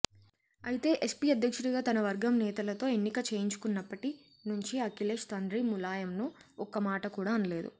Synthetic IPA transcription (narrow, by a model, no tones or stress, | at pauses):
ɐjit̪e̞ːʔespiːɐd̪ʱjɐkʂuɽiɡaːt̪ɐnɐʋɐɾɡɐmnɛːt̪ɐlɐt̪o̞ːe̞nːikɐt͡ʃe̞ːjiɲt͡ʃu̥kunːɐpːɐʈi | nuɲt͡ʃiɐkileːʂt̪ɐnɖɾimulaːjɐmnuɔkːɐmaːʈɐkuːɽaːɐnɐle̞ːd̪ṵ